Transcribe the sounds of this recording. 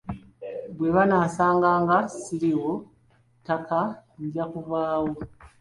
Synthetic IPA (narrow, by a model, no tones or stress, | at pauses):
bwe̞βanasaːŋɡaːŋɡasiɾiwo̞ | takaɲɟakuvaːwo